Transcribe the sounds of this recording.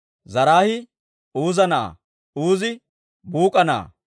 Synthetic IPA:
zɐɾaːhɪ | uːzɐna̰ː | uːzɪ | buːkʼɐna̰ː

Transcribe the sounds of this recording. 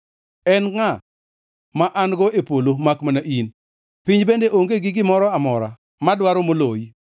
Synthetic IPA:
ɛnŋa | maʔanɡɔʔepolomakmanaʔin | piɲd͡ʒbendeʔoŋɡeɡɪɡɪmɔɾɔamɔɾa̰ | madwaɾomoloj

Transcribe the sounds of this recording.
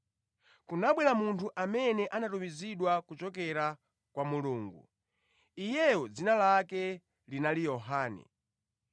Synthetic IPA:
kunaɓwɛɾamuntʰuʔamɛnɛʔanatumiziɗwakut͡ʃɔk̬ɛɾa | kwamuluːŋɡṵ | ijɛɔd͡zinalakɛ | linalijɔɦaːnɛ̰

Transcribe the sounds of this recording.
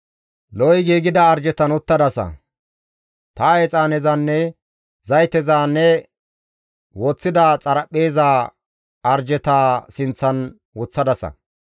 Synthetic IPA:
lɔjɡiːɡɪd̪ɐːɾd͡ʒɛt̪ɐnʊt̪ːɐd̪ɐsɐ̰ | t̪ɐɛt͡sʼaːnɛzɐnːɛ | zɐjt̪ɛzaːnːɛ | wɔt͡sːɪd̪aːt͡sʼɐɾɐpʼːe̞ːzaː | ɐɾd͡ʒɛt̪aːsɪnt͡sːɐn | wʊt͡sːɐd̪ɐsɐ̰

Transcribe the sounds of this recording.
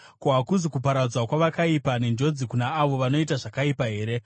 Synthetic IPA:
koɦakuzikupaɾad͡zwakwaʋakaipane̞nd͡ʒo̞d͡zikunaːʋo̞ʋano̞itaʐakaipaɦe̞ːɾe̞

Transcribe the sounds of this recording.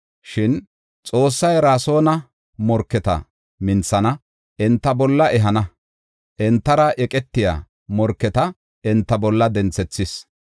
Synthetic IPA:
ʃɪn | t͡sʼo̞ːsːɐjɾaːso̞ːnɐ | mɔɾkːɛt̪ɐ̰ | mɪnt͡sːɐnɐ | ʔɛnt̪ːɐbɔlːɐʔɛɦɐnɐ | ʔɛnt̪ːɐɾɐʔɛkʼɛt̪ːɪja̰ː | mɔɾkːɛt̪ɐ | ɛnt̪ːɐbɔlːɐd̪ɛnt͡sːɛt͡sːɪs

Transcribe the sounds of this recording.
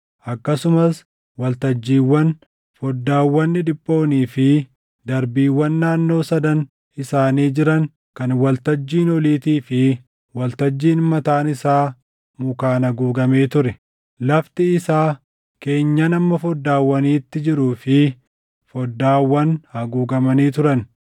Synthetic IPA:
ʔɐkːɐsʊmɐs | wɐlt̪ɐd͡ʒːiːwːɐn | fɔd̪ːaːwːɐnːɪd̪ɪpʼːo̞ːniːfɪ | d̪ɐɾbiːwːɐnːaːnːo̞ːsɐd̪ɐn | ɪsaːniːd͡ʒɪɾɐŋ | kɐnwɐlt̪ɐd͡ʒːiːnɔliːt̪iːfɪ | wɐlt̪ɐd͡ʒːiːnmɐt̪aːnɪsaː | mʊkaːnɐɡuːɡɐmeːt̪ʊɾɛ | lɐft̪ɪɪsaː | ke̞ːɲːɐnɐmːɐfɔd̪ːaːwːɐniːt̪ːɪd͡ʒɪɾuːfɪ | fɔd̪ːaːwːɐnhɐɡuːɡɐmɐniːt̪ʊɾɐn

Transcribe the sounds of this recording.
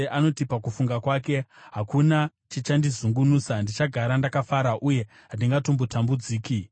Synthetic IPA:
ʔano̞tipakufuŋɡakwaːke̞ɦakuna | t͡ʃit͡ʃandizuŋɡunuːsandit͡ʃaɡʱaɾandakafaɾaʔuje̞ | ɦandiŋɡato̞mbotambud͡ziːki

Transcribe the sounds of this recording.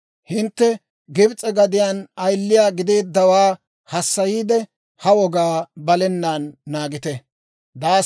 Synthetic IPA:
hɪnt̪ːɛ | ɡɪbt͡sʼɛɡɐd̪ɪjaːnɐjlːɪjaːɡɪd̪eːd̪ːɐwaː | hɐsːɐjiːd̪ɛ | hɐwɔɡaːbɐlɛnːaːnːaːɡɪt̪ɛ | d̪aː

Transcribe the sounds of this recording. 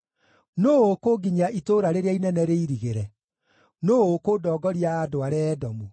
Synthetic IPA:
noːokoːɡiɲaʔitoːɾaɾeɾeainɛnɛɾeiɾiɣeɾɛ | noːokodɔːɡɔɾiaːdoaɾɛːdɔmu

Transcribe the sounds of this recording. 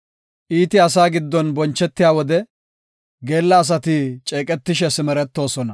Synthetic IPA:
ʔiːt̪ɪɐs̬aːɡɪd̪ːɔnbɔnt͡ʃːɛt̪ːɪjaːwɔd̪ɛ | ɡeːlːɐːs̬ɐt̪ɪt͡ʃʼeːkʼɛt̪ːɪʃɛsɪmɛɾɛt̪ːo̞ːsɔnɐ

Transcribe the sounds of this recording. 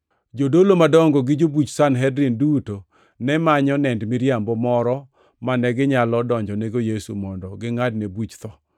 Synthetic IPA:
d͡ʒodolomadɔŋɡɔɡɪd͡ʒobut͡ʃsanɦɛdɾinduto | nɛmaɲɔnɛndmiɾjambɔmɔɾɔ | manɛɡɪɲalɔdɔɲd͡ʒɔneɡojesṵmɔndɔɡɪŋad̚nebut͡ʃt̪ɔ

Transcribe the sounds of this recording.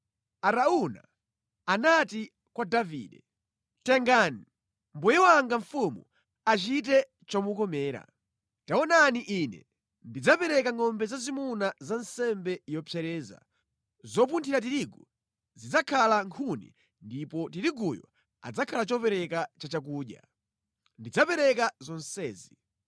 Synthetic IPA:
aɾauna̰ | anati | kwadavḭːɗɛ | tɛŋɡani | mbujɛwaŋɡaɱfumu | at͡ʃitɛ | t͡ʃɔmukɔmɛːɾa̰ | taɔnaniʔinɛ̰ | ndid͡zapɛɾɛkaŋɔmbɛzazimunazansɛmbɛjɔpʰjɛɾɛːza̰ | zɔp̬untʰiɾat̬iɾiɡu | zid͡zakʰalaŋkʰunḭ | ndipɔtiɾiɡujɔ̰ | a̰d͡zakʰalat͡ʃɔpɛɾɛkat͡ʃat͡ʃak̬uːɗja̰ | ndid͡zapɛɾɛkazɔnsɛːzi

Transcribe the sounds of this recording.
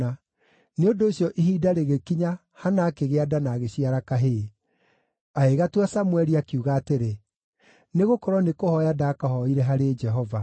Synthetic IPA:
a | neondoːɕjɔʔiɦiːdaɾeɣekiɲa | hanaːkeɣeadanaɣeɕiaɾakaɦe | aeɣatwasamwɛɾiakiuɣaːteɾe | neɣokɔɾɔnekohɔjadaːkahɔiɾɛɦaɾeːd͡ʒɛɦɔva

